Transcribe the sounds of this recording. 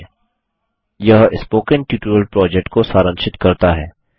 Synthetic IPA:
jɐɦɪspoːkənʈjuːʈuɾəlpɾɔːd͡ʒɛk̚ʈkosaːɾə̃ŋʃɪt̪kɐɾt̪aɦɛː

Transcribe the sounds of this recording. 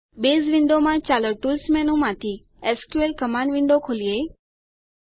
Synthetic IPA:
beːzʋɪ̃ɳɖomãt͡ɕaːləɾʈuːlsmɛːnũmãːt̪ʰi | ɛskuelkɐmaːnʋɪ̃ɳɖokʰoːlieː

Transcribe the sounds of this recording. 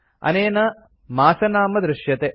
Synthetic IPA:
ɐ̰neːnɐ | maːsɐnaːmɐd̪ɾɪʃjɐt̪e

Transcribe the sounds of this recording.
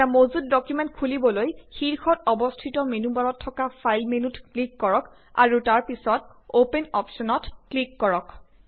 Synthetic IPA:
amozut̚dɔkjumɛntkʰulibɔlojxiɹxɔtɔbɔstʰitɔmenubaɹɔtʰːɔkapʰajlmenutklikːɔɹɔk | a̰ɹutaɹpisɔt | openɔpsɔnɔtklikːɔɹɔk

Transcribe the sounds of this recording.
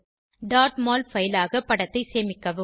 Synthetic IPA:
ɖaːɾʈmaːlfɐjɪlaːɣɐpːɐɽɐt̪ːɐɪseːmɪkːɐʋɯ

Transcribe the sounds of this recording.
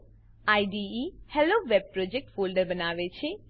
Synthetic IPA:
aiɖiihɛloʋeb̚pɾɔd͡ʒek̚ʈfolɖəɾbənaʋet͡ʃʰe

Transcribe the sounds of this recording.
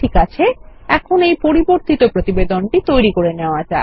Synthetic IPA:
ikat͡ɕʰeɛkʰonejpoɾiboɾt̪it̪opɾot̪ibed̪onʈit̪ojɾikoɾeneoad͡ʑa

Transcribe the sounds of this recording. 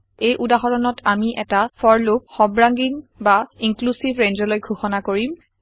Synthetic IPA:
ejʔudaxɔɹɔnɔtʰamiʔɛtafʰɔɹlop̚xɔbɹaŋɡinbaiŋklusibɹenzɔlojɡʱuxɔnakoɹim

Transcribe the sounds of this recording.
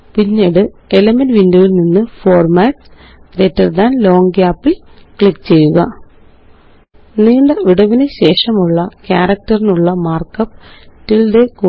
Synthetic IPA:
piɲːeːɽɨ | elɐmɐnʋinduʋilninːɨfo̞ːrmaːʈs | ɾetːɐrd̪aːnlo̞ːŋkaːpːilkɭikːt͡ɕe̞jːuɣɐ̰ | niːɳɖeʋiɽɐʋinɨɕe̞ːʂɐmuɭːɐkʲaːɾɐk̚tɐrinuɭːɐmaːrkɐpːtːild̪eku

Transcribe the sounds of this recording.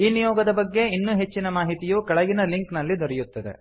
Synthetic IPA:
iːnijɔːɡɐd̪ɐbɐɡːe̞inːuːɦe̞t͡ʃːinɐmaːɦit̪ijuːkɐɭɐɡinɐliŋknɐlːid̪oɾɛjut̪ːɐd̪e̞̰

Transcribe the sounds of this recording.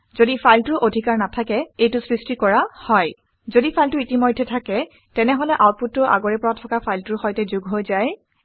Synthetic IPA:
zodipʰajltʊɹʔodʱikaɹnatʰakɛejtʊsɹistikɔɹahɔj | zodipʰajltʊitimojdʱːɛtʰakɛ | tɛnɛɦɔlɛʔawt̚putːʊʔa̰ɡɔɹɛpɔɹatʰɔkapʰajltʊɹxɔjtɛzuɡɦojzaj

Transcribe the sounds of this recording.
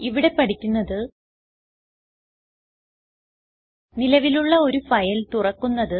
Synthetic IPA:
iʋiɽe̞pɐʈikʲːunːɐðɨ | nilɐʋiluɭːɐo̞ɾufɐjɐlt̪urɐkːunːɐðɨ

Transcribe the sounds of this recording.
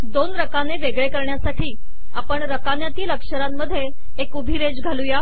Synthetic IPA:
d̪onɾəkaneʋeɡɭekəɾɳjasaʈʰiː | apəɳɾəkanjat̪iːləkʂəɾamːəd̪ʱːjeː | kubʱiɾed͡zɡʱaluja

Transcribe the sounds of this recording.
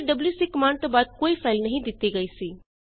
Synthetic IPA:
ɖɐbljusikɐmãːɳɖ̚t̪obaːd̪̚koːifʰaːɪlnɐɦĩd̪ɪt̪iɡɐisiː

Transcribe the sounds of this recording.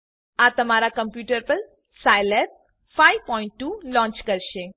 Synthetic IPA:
at̪əmaːɾakəmpjuːʈəɾpəɾ | sajlɛ | fajʋpɔiɳʈːuːlɔ̃ːɲt͡ʃkəɾʃe

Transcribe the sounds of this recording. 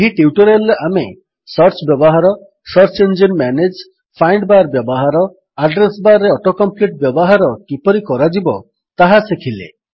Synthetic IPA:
eɦiʈiuʈɔɾelːeʔame | sɔɾt͡ʃbjɔbɔɦaɾɔ | sɔɾt͡ʃend͡ʒɔnmaned͡ʒ | pʰajɳɖbaɾbjɔbɔɦaɾɔ | aɖɾesbaɾːeɔʈokɔmpliʈ̚bjɔbɔɦaɾɔkipɔɾikɔɾad͡ʒibɔ | t̪aɦasekʰilḛ

